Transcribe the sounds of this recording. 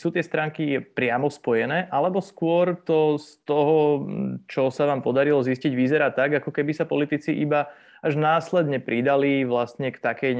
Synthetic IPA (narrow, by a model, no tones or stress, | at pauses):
suːt̪ɪɛst̪ɾaːŋkipɾɪamɔspɔjɛnɛːʔalɛbɔskʊɔɾt̪ɔst̪ɔɦɔt͡ʃɔsaʋaːmpɔd̪aɾilɔzisciɟʋizɛɾat̪aɡakɔkɛbisapɔlit̪it͡siʔiba | aʒnaːslɛd̪ɲɛpɾid̪aliʋlast̪ɲɛkt̪akɛj